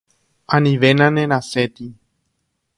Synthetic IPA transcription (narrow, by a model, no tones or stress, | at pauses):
ãnĩʋe̞nãnẽnaset̪i